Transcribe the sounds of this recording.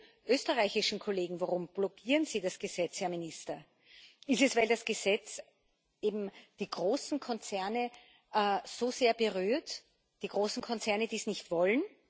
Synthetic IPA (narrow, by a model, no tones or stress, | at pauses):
ʔøːstəʁaɪçɪʃn̩kʰoleːɡŋ̩vaʁʊmb̥lɔkʰiːʁənz̥iːdasɡ̥əzɛt͡shaɐmɪnɪstɐ | ɪstɛsvaɪldasɡ̥əzɛt͡s | ʔeːbm̩d̥iːɡ̥ʁoːsn̩kʰɔnt͡sɛɐnə | ʔːz̥ozeːɐbəʁyːɐt | d̥iːɡ̥ʁoːsn̩kʰɔnt͡sɛɐnəd̥iːsnɪçtv̥ɔln